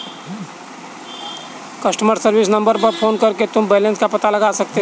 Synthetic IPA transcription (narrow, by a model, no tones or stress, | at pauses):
kɐsʈəməɾsəɾʋɪsnɐ̃mbəɾpɐɾpʰoːnkɐɾket̪ʊmbeːlẽnskapɐt̪alɐɡaːsɐk̚t̪e